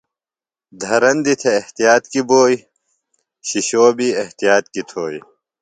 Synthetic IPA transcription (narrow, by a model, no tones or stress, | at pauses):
d̪ʱɐɾɐnd̪it̪ʰeːht̪ijaːt̪kiboːj | ɕiɕoːbiːɐht̪ijaːt̪̚kit̪ʰoːj